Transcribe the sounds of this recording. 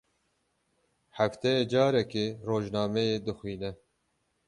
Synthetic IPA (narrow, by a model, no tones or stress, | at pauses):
hæft̪ɛjed͡ʒɑːɾɛkeːroːʒnɑːmɛjeːd̪ɨxwiːnɛ